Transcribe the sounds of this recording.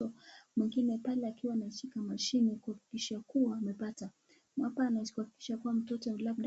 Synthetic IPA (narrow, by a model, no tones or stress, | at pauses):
ɔmwiŋɡinɛpalɛakiwaːnat͡ʃikamaʃinikuhaki̥kiʃakuwaːmɛpata | mwapaːnakuhaki̥ki̥ʃakuwam̩tɔtɔlaɓ̚ɗ